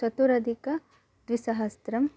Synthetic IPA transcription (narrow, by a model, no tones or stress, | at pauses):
sɐt̪uɾɐd̪ʱikɐ | d̪̥ʋisɐɦɐst̪ɾɐm